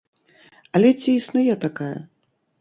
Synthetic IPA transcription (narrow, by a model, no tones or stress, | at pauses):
ɐlʲɛt͡sʲiːsnujɛt̪akajɐ̰